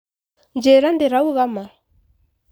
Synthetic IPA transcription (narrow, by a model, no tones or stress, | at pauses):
nd͡ʒɛɾandeɾauɣamaɾa